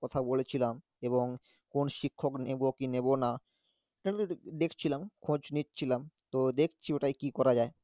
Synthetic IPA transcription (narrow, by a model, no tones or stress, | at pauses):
kɔt̪ʰabolet͡ɕʰilam | eβoŋ | konʃikʰːoknebokinebona | d̪ekʰt͡ɕʰilamkʰõd͡ʑnitːt͡ɕʰilamt̪od̪ekʰt͡ɕʰioʈajkikɔɾad͡ʑae